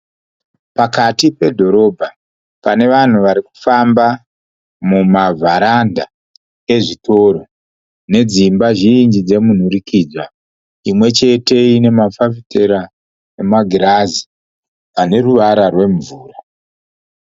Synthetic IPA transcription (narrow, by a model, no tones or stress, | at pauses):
pakatipe̞dʱo̞ɾo̞bʱa | pane̞ʋan̤uʋaɾiku̥famba | mumavʱaɾanda | e̞ʐitʰo̞ɾo | ne̞d͡zimbaʒind͡ʒid͡ze̞mun̤uɾikid͡zwa | imwe̞t͡ʃe̞te̞ine̞mafafiteɾa | nemaɡʱiɾazi | ʋane̞ruʋaɾarwe̞ɱvuːra